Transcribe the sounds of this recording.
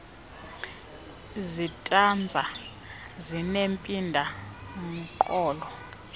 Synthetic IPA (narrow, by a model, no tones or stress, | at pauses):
zitʼand͡zʱa | zinempʼindʱam̩ǃʼɔːlɔ